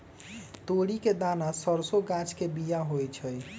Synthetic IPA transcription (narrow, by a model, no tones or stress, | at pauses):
t̪oɽiked̪anasəɾsoɡãt͡ʃʰkebijaɦojt͡ʃʰəj